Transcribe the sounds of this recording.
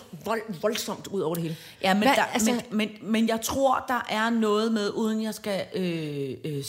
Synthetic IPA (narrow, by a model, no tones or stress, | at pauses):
ʋɒlsɒ̽m̰d̥uð̞̰ˠɒʊ̰ɐ̥de̝e̝ːlə | jæmendmemenmenjɑ̈ɪt͡sʰʁo̝ɐ̰d̥ɑ̈ʔæɐnɔ̽ːð̞̩ˠmeð̞ˠʔuːð̞ˠən̩jɑ̈ɪsɡ̥æøø